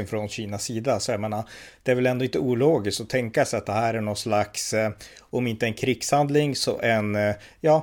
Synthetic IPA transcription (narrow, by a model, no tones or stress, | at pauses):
nfɾɔnɕiːnasiːd̪asɔjameːnad̪̥ɛæɾvɛlɛnd̪ɔɪnt̪əuːloːɡɪskt̪ɔt̪ʰɛŋkasɛjat̪̚d̪ɛhæːɾæɳɔnslaks | ɔmɪnt̪əɛnkʰɾɪɡ̥shand̪lɪŋsɔ̰ʔɛnjɑː